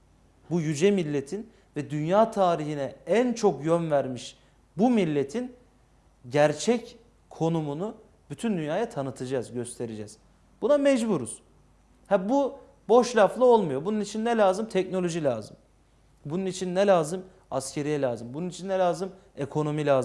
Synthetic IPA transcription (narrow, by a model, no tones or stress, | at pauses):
bujyd͡ʒɛmilʲːet̪ʰin | vɛd̪ynjaːt̪ʰaːɾiçinɛænt͡ʃʰo̞kjønvæɾmiʃ | bumilʲːet̪ʰin | ɟæɾt͡ʃʰɛc | kʰo̞numunu | b̥yt̪ʰynd̪ynjaːjat̪ʰanɯt̪ʰɯd͡ʒazɟø̞st̪ʰe̞ɾed͡ʒɛz̥ | b̥unamɛd͡ʒbuɾuz̥ | hɛbu | bo̞ʃlʲaflˠɯo̞lˠmujo̞bununit͡ʃʰinːɛlʲaːzɯmt̪ʰɛcno̞lʲo̞ʒilʲaːzɯm | bununit͡ʃʰinːɛlʲaːzɯm | ascʰe̞ɾijɛlʲaːzɯmbununit͡ʃʰinːɛlʲaːzɯmekʰo̞no̞milʲaːz